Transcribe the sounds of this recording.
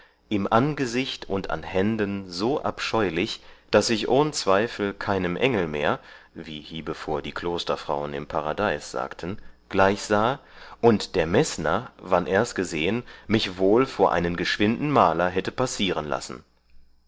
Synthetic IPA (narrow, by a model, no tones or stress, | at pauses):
ʔɪmʔanɡəzɪçtʊntʰa̰nhɛndənzoːʔa̰pʃɔʏlɪçd̥asɪçʔoːnət͡sv̥aɪfl̩kʰaɪnəmʔɛŋl̩mḛːɐ | vḭːhiːbəfoːɐdiːkl̥oːstɐfʁ̥aʊənɪ̰mpʰaʁadaɪsz̥a̰ːktʰn̩ɡ̥laɪçz̥aːʔʊntd̥eːɐmɛsnɐ̰vanʔeːɐstɡ̥əzeːənmɪçvoːlfoːɐʔa̰ɪnənɡəʃv̥ɪndn̩maːlɐɦɛtəpasiːʁənla̰sn̩